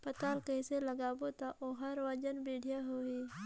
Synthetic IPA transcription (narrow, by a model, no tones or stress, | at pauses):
pət̪aːlkəɪseləɡaːbot̪aʔoɦəɾwəd͡ʒənbeːɽ̤ʱijaɦoiː